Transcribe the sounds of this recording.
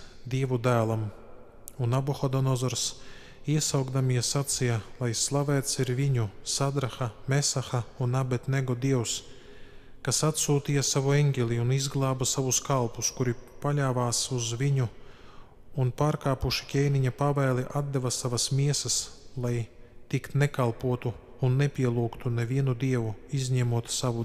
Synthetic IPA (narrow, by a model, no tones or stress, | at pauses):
d̪iɛvud̪æːlˠam | unabɔxɔd̪ɔnɔzɔɾs | iɛsawɡd̪amiɛsat̪sijalˠajslˠavɛːt̪siɾviɲusad̪ɾaxamesaxaunabet̪nɛɡɔd̪iɛws | kasat̪suːt̪ijasavueŋɡʲelʲiunizɡlˠɑːbasavuskalˠpuskuɾipalʲaːvaːsuzviɲu | unpaːɾkaːpuʃi̥kʲɛjniɲapavɛːlˠiʔad̪d̪evɐsavɐsmiɛsɐslˠajt̪ikt̪nɛkalˠpuɔt̪uː | nːepʲiɛlˠuːkt̪unɛvʲiɛnud̪iɛvuizʲɲɛmuɔt̪saʋu